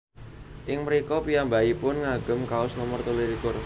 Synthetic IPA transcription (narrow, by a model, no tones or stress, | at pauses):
ʔɪŋməɾikɔpijambaipʊnŋaɡ̥ʊ̤mkaʊsnɔmɔrt̪uliɾikʊr